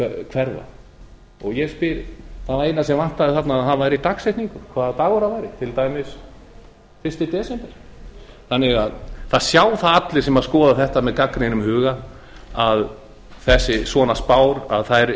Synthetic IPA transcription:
kʰvɛɾva̰ | ɔɣjɛspɪɾθavaɾejt̪nasɛmvan̥t̪aðɪθat̪naːðanvaːjɾit̪akseht̪niŋkʏkʰvaːðat̪aːɣɔɾavaːjɾɪt̪ʰɪlt̪ajmɪs | fɪrst̪ɪt̪ɛːsɛmpɛɾ̥ | θanːɪɣaðθaðsjaːwθaðat̪lɪ̥sɛmaðskɔːðaθɛht̪amɛðkakɾejnʏmhʏːɣa | að | θɛsːɪsvɔːnaspaːwɾa̰ðθaðɛɾ

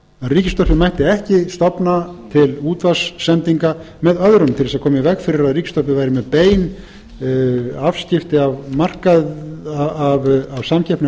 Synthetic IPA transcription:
aðriːcɪst̪ɔr̥pɪmajht̪ɪɛhcɪst̪ɔpnat̪ʰɪluːt̪vasːɛnt̪iŋka | mɛðœðɾʏmt̪ʰɪlθɛsaðkʰɔːmɪvɛkfɪɾɪɾaðriːcɪ̥st̪ɔrpɪvaːjɾɪmɛðpeːjn | avscɪft̪ɪavmar̥kað | avavsamcʰɛhpnɪ

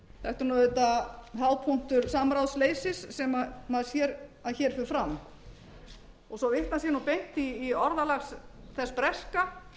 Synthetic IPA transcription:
θɛht̪ʏɾnɔːðʏt̪aɦawpʰuŋ̥t̪ʏɾsamɾawðsleːjsɪsːɛmamaðsjɛːɾaðçɛːɾ̥fʏɾfɾam | ɔɣsɔvɪht̪nasjɛnupejŋ̥t̪iːɔɾðalaxsθɛspɾɛska

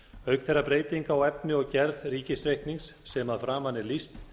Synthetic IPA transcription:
œɥkθɛrapɾeːjt̪iŋkawɛp̚nɪɔɣcɛɾðriːcɪsɾejhkniŋsːɛmaðfɾaːmanːɪlist̪

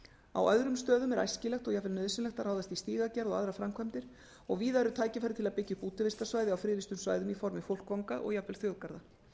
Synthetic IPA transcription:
a̰wœ̰ðɾʏmst̪œːðʏmɛɾa̰jscɪlɛxt̪ɔɣjapvɛlnœðsɪnlɛxt̪aɾraːwðast̪ist̪iːɣacaɾðɔɣa̰ðɾafɾamkʰvamt̪ɪɾ̥ | ɔɣviːðaɛɾʏt̪ʰaːjcɪfajɾɪ̥t̪ʰɪlaðpɪcːɪpuːt̪ɪvɪst̪asvaːjðɪawfɾɪːlist̪ʏmsva̰ːjðʏmifɔɾmɪfowl̥kvawŋkaʔɔ̰ɣjapvɪlθjɔwðkaɾða

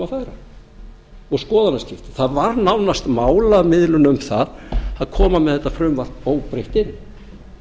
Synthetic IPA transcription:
afaɾa | ɔɣskɔːðanascɪft̪ɪ̥θaðvaɾnawnast̪maːwlamɪðlʏnʏmθaðaðkʰɔːmamɛðθɛt̪ːafɾʏmvar̥t̪oːwpɾejht̪ɪnː

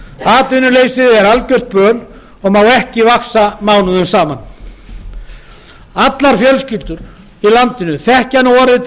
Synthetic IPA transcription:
aːt̪vɪnʏleːjsɪðɛɾalcœr̥t̪̚pœːl | ɔɣmawɛhcɪvaksamaːwnʏðʏmsaːman | at̪laɾ̥fjɛlscɪlt̪ʏɾ̥ | ilant̪ɪnʏθɛhcanɔːɾɪt̪

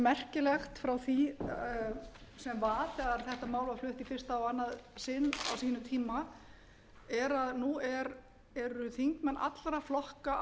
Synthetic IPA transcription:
mɛr̥cɪlɛxt̪fɾawθi | sɛmvaːθɛɣaɾ̥θɛht̪amaːwlvaflʏht̪ifɪr̥st̪aɔwanːaðsɪnːa̰wsiːnʏt̪ʰiːma | ɛɾaðnuɛɾ | ɛɾʏθiŋkmɛnːʔa̰t̪lɾaflɔhka

